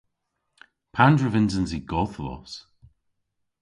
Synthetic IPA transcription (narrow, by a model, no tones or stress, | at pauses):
pʰandɹəvɪnzənziɡɔθlɔ̰s